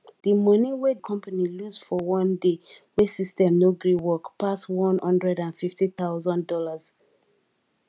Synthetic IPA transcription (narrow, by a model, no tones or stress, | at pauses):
ðimɔniwed̚kʰɔ̃mpaniluzfɔwɔ̃ndewesistɛ̃mnoɡɹĩwɔkpʰaswɔ̃nhɔ̃ndɹɛdãnfiftiθaʊzɔ̃ndɔlaz̥